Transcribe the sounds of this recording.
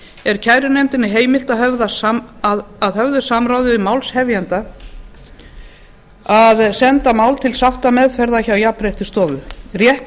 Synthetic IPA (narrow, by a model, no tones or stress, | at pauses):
ɛɾ̥cʰajɾʏnejmt̪ɪnɪɦeːjmɪl̥t̪aðɦœvðasaðaðhœvðʏ̥samɾawðɪvɪmawlshɛvjɛnt̪a | aðsɛnt̪amaːwlt̪ʰɪlsawht̪amɛðfɛɾðaçawjapɾejht̪ʏst̪ɔːðʏrjɛht̪